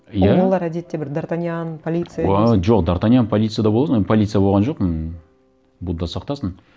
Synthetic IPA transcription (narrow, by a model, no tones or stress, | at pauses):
jalˠlˠɑɾæd̪e̞t̪ːe̞bɪɾd̪aɾt̪anʲjanpʰolʲit̪sɨjʒo̞qd̪aɾt̪anʲijanpʰolʲit̪sɨjad̪ɑaboɑsənpʰolʲit̪sɨjabo̞lʁɑnʒo̞qmɪn | bud̪ɑsɑqt̪ɑsəɴ